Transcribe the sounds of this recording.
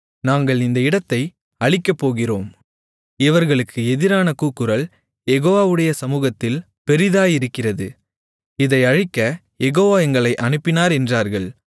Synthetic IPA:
naːŋɡɐɭɪnd̪ɐɪɽɐt̪ːɐɪ | ɐɻɪkːɐpːoːɣɪroːm | ɪʋɐɾɣɐɭɯkːɯɛðɪɾaːnɐkuːkːɯɾɐɭ | jɛɣoːʋaːʋɯɽɐjɐsɐmuːɣɐt̪ːɪl | pɛɾɪðaːjɪɾɯkːɪrɐðɯ | ɪðɐɪɐɻɪkːɐ | jɛɣoːʋaːɛŋɡɐɭɐɪʔɐnɯpːɪnaːɾɛndraːɾɣɐɭ

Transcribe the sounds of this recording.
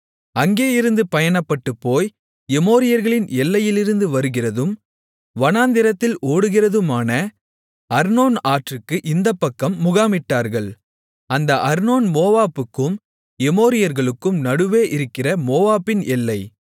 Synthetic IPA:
ɐŋɡeːjɪɾɯnd̪ɯpɐjɐnɐpːɐʈːɯpːoːj | ɛmoːɾɪjɐɾɣɐɭɪnɛlːɐjɪlɪɾɯnd̪ɯʋɐɾɯɣɪrɐðɯm | ʋɐnaːnd̪ɪɾɐt̪ːɪlʔoːɽɯɣɪrɐðɯmaːnɐ | ɐɾnoːnaːʈrɯkːɯʔɪnd̪ɐpːɐkːɐmːʊɣaːmɪʈːaːɾɣɐɭ | ɐnd̪ɐʔɐɾnoːnmoːʋaːpɯkːɯm | ɛmoːɾɪjɐɾɣɐɭɯkːɯmnɐɽɯʋeːʔɪɾɯkːɪrɐmoːʋaːpːɪnɛlːɐɪ

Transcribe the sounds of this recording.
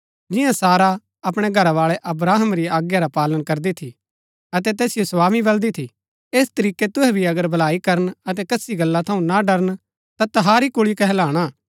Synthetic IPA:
d͡ʒɪjãsaːɾa | ɐpɽ̃eɡʱɐɾaʋaːɭɛʔɐbɾaːɦəmɾiaːɡjaɾapaːlənkɐɾd̪it̪ʰi | ɐt̪ɛt̪ɛːsɪjosʋaːmibɐld̪it̪ʰi | eːst̪ɐɾiːket̪ʊɦɛbʱiɐɡəɾbʱɐlaːikɐɾənɐt̪̬ɛkɐsiɡɐlːat̪ʰɐũnaɖɐɾən | t̪at̪ɐɦaːɾikʊɭikɛɦɛlaːɽ̃aː

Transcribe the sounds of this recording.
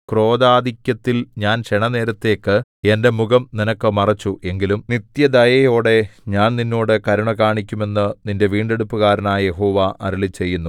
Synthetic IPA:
kro̞ːd̪aːd̪ikʲːɐt̪ːilɲaːnɕeɳɐne̞ːɾɐt̪ːe̞ːkːɨe̞nde̞muɡɐmninɐkːɨmɐrɐt͡ɕːuʔe̞ŋɡilumnit̪jɐd̪ɐjɐjo̞ːɽe̞ɲaːnninːo̞ːɽɨkɐɾuɳɐkaːɳikʲːume̞nːɨninde̞ʋiːɳɖe̞ɽupːuɣaːɾɐnaːje̞ɦo̞ːʋaʔʔɐɾulit͡ɕːe̞jːunːu

